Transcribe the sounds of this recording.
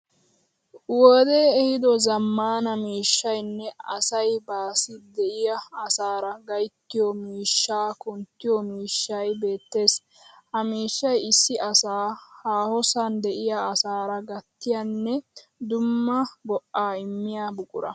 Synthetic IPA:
wɔːd̪e̞ːɛhɪd̪ɔzɐmːaːnɐmiːʃːɐjnːɛɐsɐjbaːsɪd̪ɛʔɪjɐːsaːɾɐɡɐjt̪ːɪjɔmiːʃːaːkʊnt̪ːɪjɔmiːʃːɐjbe̞ːt̪ːe̞ːs | hɐmiːʃːɐjɪsːɪʔɐsaːhaːhɔsɐnd̪ɛʔɪjaːsaːɾɐɡɐt̪ːɪjanːɛd̪ʊmːɐbɔʔaːɪmːɪjaːbʊkʼʊ̰ɾɐ

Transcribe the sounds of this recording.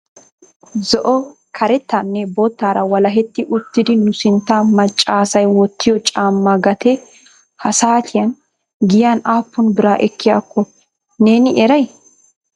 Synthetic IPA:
zɔʔɔ | kʰɐɾɛt̪ːanːɛbot̪ːaːɾɐwɐlɐɦɛt̪ːɪʔʊt̪ːɪd̪ɪnʊsɪnt̪ːaːmɐt͡ʃʼːaːsɐjwɔt̪ːɪjɔt͡ʃʼaːmːaɡɐt̪ʰɛ | hɐsaːt̪ʰɪjɐn | ɡɪjaːnaːpːʊnbɪɾaːʔɛkːɪjaːkːɔ | ne̞ːnɪʔɛɾɐj

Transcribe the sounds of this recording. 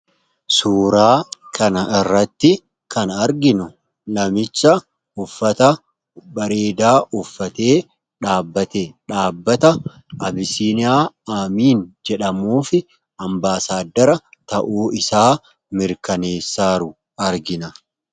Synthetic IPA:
suːɾaːkʰɐnɐʔɪrːɐt̪ːɪ | kɐnɐɾɡɪnʊ | lɐmɪt͡ʃːɐ | ʊfːɐt̪ɐ | bɐɾeːd̪aːʔʊfːɐt̪e̞ː | ᶑaːbːɐt̪eːᶑaːbːɐt̪ɐ | ʔɐbɪsiːnɪaː | amiːnd͡ʒɛᶑɐmuːfɪ | ɐmbaːsaːd̪ːɐɾɐt̪ɐʔuːɪsaː | mɪɾkɐneːsːaːɾʊ | ɐɾɡɪnɐ

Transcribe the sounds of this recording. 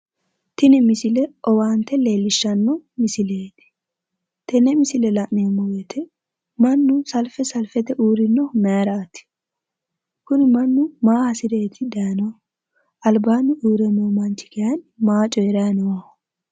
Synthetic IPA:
t̪ɪnɪmɪsɪlɛʔɔwaːnt̪ɛleːlːɪʃːɐnːɔmɪsɪleːt̪ɪ̥ | t̪ɛnɛmɪsɪlɛlɐʔneːmːɔwɛt̪ʰɛ | mɐnːʊsɐlfɛsɐlfɛt̪ɛʔuːɾɪnːɔmeɾaːt̪ɪ̥ | kʊnɪmɐnːʊmaːhɐsɪd̪e̞ːt̪ʰɪd̪ɐjɐnɔw | ʔɐlbaːnʊʔuːɾɛmomɐnt͡ʃɪ̥kɛjɐnmaːt͡ʃʼɔjɛɾɐjɐnɔwɐ

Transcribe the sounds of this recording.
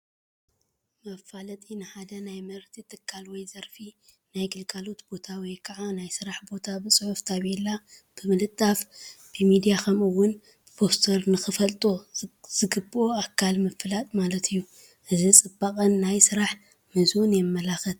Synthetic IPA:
mɐfalɐt̪ʼinɨħad̪ɐnajmɐɾt̪ʰit̪ʰɨkʰːalwɔjzɐɾfi | najɡɨlkʼalo̞t̪bo̞t̪ʰawɔjkʰɐʕanajsɨɾaħbo̞t̪ʰabɨsʼɨħuft̪ʰaβelːa | b̥ɨmɨlɨt̪ʼːafb̥ɨmid̪ijakʰɐmɨwːʊn | b̥ɨpʰo̞st̪ʰoɾnɨxɨfɐlt̪ʼoz̥ɨɡɨbɨoakʰːalmɨfɨlat̪ʼmalɐt̪ʰɨjːu | ʔɨzit͡sʼɨbːakʼɐnːajsɨɾaħ | mɨzwunjɛmːɐlaxɨt̪

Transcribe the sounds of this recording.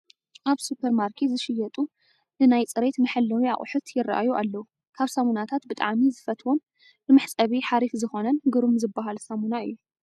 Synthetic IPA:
ʔaβsupʰeɾmaɾkʰezɨʃɪjɐt̪ʼu | nɨnajt͡sʼɨɾet̪mɨħɨlːɐwia̰χʼʊħʊt̪jɪra̰ʔa̰juʔa̰lːɐwu | kʰaβsamunat̪ʰat̪bɨt̪ʼa̰ʕmizɨfɐt̪ʰwon | bɨmɨħt͡sʼɐβiħaɾifzɨxo̞nɐnɡɨɾumzɨbːaɦalsamunaɨ̰jːu

